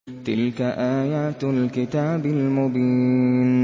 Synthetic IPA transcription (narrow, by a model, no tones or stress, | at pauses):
t̪ɪlkaʔaːjaːt̪lkɪt̪aːbɪlmʊbiːn